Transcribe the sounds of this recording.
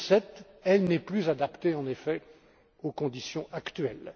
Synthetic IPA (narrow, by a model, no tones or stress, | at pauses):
sɛt̪ | ɛlnɛplyzad̪apt̪eɑ̃nefɛ | okɔ̃d̪isjɔ̃ʔakt̪ɥɛl